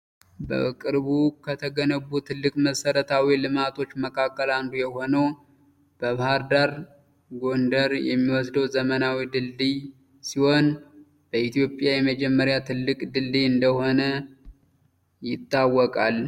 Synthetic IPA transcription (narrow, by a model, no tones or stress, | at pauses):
bə̰kʼɨɾβukʰət̪ʰəɡənəβːut̪ʰɨlːɨkʼməsəɾət̪ʰawilɨmat̪ʰo̞t͡ʃːməkʰakːəland̪ujɛho̞nəw | b̥əβhaɾd̪aɾ | ɡo̞nd̪əɾjɛ̰mːiwɔsd̪əwzəmənawid̪ɨlːi | siho̞n | b̥əʔit̪ʰijo̞pʼjajɛməd͡ʒɛmːəɾjat̪ʰɨlːɨkʼd̪ɨlːiɨnd̪əho̞nə | jɪt̪ʼːawːɔkʼal